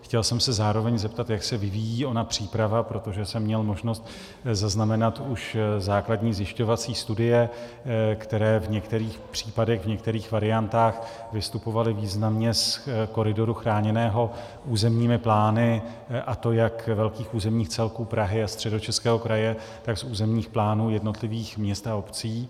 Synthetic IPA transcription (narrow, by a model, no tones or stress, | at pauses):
xcɛlsɛmsɛzaːɾo̞vɛɲzɛp̚t̪at̪jaksɛvɪvijiːo̞napr̝̥iːpɾavapɾo̞t̪o̞ʒɛsɛmːɲɛlmo̞ʒno̞st̪ | zaznamɛnat̪uʃzaːkladɲiːzjɪʃco̞vat͡siːst̪udɪjɛ | kt̪ɛɾɛːvɲɛkt̪ɛɾiːxpr̝̥iːpadɛɣvɲɛk̚t̪ɛɾiːxvaɾɪant̪aːxvɪst̪upo̞valɪviːznamɲɛsko̞ɾɪdo̞ɾuxɾaːɲɛnɛːɦo̞ | ʔuːzɛmɲiːmɪplaːnɪ | ʔat̪o̞jakvɛlkiːxʔuːzɛmɲiːxt͡sɛlkuːpɾaɦɪast̪r̥ɛdo̞t͡ʃɛskɛːɦo̞kɾajɛ | t̪aksuːzɛmɲiːxplaːnuːjɛdno̞t̪lɪviːxmɲɛst̪aopt͡siː